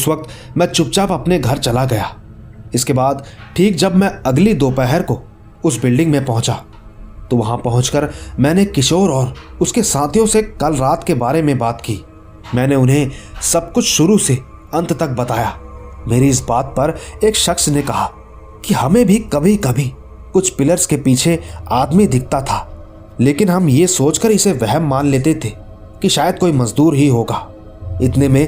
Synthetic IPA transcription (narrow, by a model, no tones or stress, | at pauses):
ɪsʋɐk̚t̪mɛ̃t͡ʃʊp̚t͡ʃaːpɐpneɡʱɐɾt͡ʃɐlaɡɐjaː | ɪskebaːd̪ʈʰiːk̚d͡ʒɐbmɛ̃ɐɡlid̪oːpɛɦɛɾko | ʊsbɪlɖɪ̃ŋɡmẽpɐɦʊ̃t͡ʃa | t̪oʋɐɦãpɐɦʊ̃t͡ʃkəɾmɛ̃ːnekɪʃoːɾɔːɾʊskesãːt̪ʰijõsekɐlɾaːt̪kebaːɾemẽbaːt̪kiː | mɛ̃ːneʊnɦẽsɐb̚kʊt͡ʃʰʃʊɾuse | ɐ̃nt̪t̪ɐk̚bɐt̪aːjaːmeːɾiɪs̬baːt̪̚pɐɾeːkʃɐxsnekɐɦaː | kihɐmẽbʱikɐbʱikɐbʱi | kʊt͡ʃʰpɪləɾskepiːt͡ʃʰeaːd̪mid̪ɪk̚ʰt̪at̪ʰaː | leːkɪnɦɐmjesoːt͡ʃkəɾɪseʋɛɦɛmːaːnleːt̪et̪ʰe | kiʃaːjəd̪̚koːimɐzd̪uːɾɦiɦoːɡaː | ɪt̪nemẽ